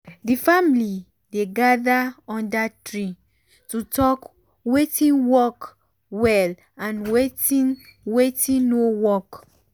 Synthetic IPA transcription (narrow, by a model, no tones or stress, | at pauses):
difamli | deɡadaɔ̃ndatɹi | tutɔk | wetĩnwɔk | wɛl | ãnwetĩnwetĩnːowɔk